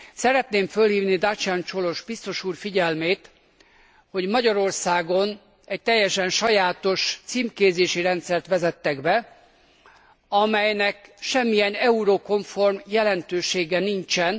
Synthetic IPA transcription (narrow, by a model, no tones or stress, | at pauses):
sɛɾɛt̪neːmfø̞lhiːvnid̪at͡ʃant͡ʃo̞lo̞ʒbist̪o̞ʃuːrfiɟɛlmeːt̪ | ho̞ɟmɒɟɒɾo̞rsaːɡo̞n | ɛc̚t̪ɛjːɛʃɛnʃɒjaːt̪o̞ʃt̪siːmkeːzeːʃiɾɛnt̪sɛrt̪ʋɛzɛt̪ːɛɡbɛ | ɒmɛjnɛkʃɛmːijɛnɛuɾoko̞ɱfo̞rmjɛlɛnt̪øːʃeːɡɛniɲt͡ʃɛn